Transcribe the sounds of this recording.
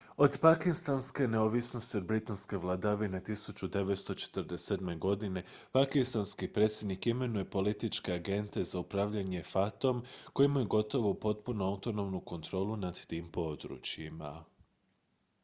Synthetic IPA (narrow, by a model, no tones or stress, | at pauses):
o̞d̪pakist̪anske̞neoʋisno̞st̪io̞d̪̚bɾit̪anske̞ʋlˠad̪aʋine̞t̪isut͡ʃud̪e̞ʋet̪st̪o̞t͡ʃe̥t̪rɾd̪ese̞d̪me̞ɡo̞d̪ine̞pakist̪anskipɾe̞ːt̪sʲje̞d̪nikime̞nuje̞po̞lit̪it͡ʃke̞aɡe̞nt̪e̞zaupɾaʋʎaɲe̞fat̪o̞mko̞jimajuɡo̞t̪o̞ʋopo̞t̪punuaut̪o̞no̞mnuko̞nt̪ɾo̞ːlˠunad̪t̪iːmpo̞d̪ɾṵːt͡ɕjima̰